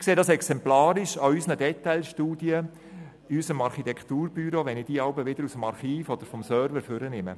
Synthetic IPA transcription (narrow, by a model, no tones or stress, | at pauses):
kseːdɑːsɛksɛmplɑːɾɪʃɑysnədɛt̪aɪlʃtuːdjə | ysəmɑɾχit̪ɛkt̪uːɾbyɾoʋɛnɪd̥iːɑwbəʋɪd̪əɾusəmɑɾχiːfɔd̪̥əɾfɔmsœɾvəɾføɾənɪmə̰